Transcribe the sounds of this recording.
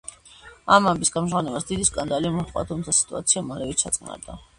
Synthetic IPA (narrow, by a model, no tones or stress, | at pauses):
amːambisɡamʒʁɔnɛbasd̪id̪iskʼand̪aliumɔχʼa̰t̪ʰumt̪sʰasi̥t̪ʼuat̪sʰiamalɛvit̪sʰat̪sʼqʼna̰ɾd̪a̰